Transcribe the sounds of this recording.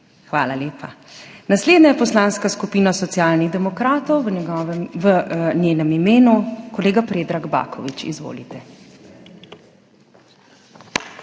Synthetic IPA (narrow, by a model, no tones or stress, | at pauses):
xʋaːlaleːpʰanasleːd̪najɛpɔslaːnskaskupiːnasɔt̪sjaːlniɣd̪ɛmɔkɾaːt̪ɔw | ʋənjeːnɛmimeːnukɔleːɡapɾeːd̪ɾaɡba̰ːkʰɔʋit͡ʃḭzʋo̰ːlit̪ɛ